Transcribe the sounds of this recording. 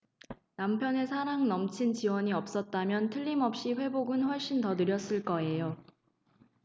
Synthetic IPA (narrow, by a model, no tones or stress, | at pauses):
nampʰjʌne̞sʰaɾaŋnʌmt͡ɕʰint͡ɕiwʌɲiʌp̚s͈ʌt̚t͈amjʌntʰɯʎːimʌp̚ɕ͈iɸwe̞boɡɯnɸwʌɭɕ͈intʌnɯɾjʌs͈ɯɭk͈ʌe̞jo